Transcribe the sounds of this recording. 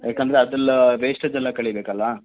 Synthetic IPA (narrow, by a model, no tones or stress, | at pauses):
jaːkɐnd̪ɐɾeɐd̪ɐlːɾeːʂʈɐd͡ʒɛlːɐkɐɭibeːkɐlːɐ